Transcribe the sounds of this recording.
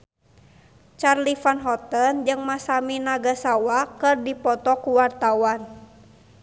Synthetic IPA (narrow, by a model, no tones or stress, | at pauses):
t͡ʃarlifanɦɔt̪ənd͡ʒɨŋmasaminaɡasawakɨrdipɔt̪ɔkuwart̪awan